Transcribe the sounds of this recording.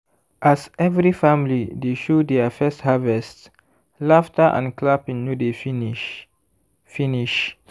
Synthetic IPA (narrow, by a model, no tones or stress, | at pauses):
ʔasɛvɹifãmilideʃudɛəfɛsthavɛst | laftəʔã̰nklapĩnːjudef | finiʃ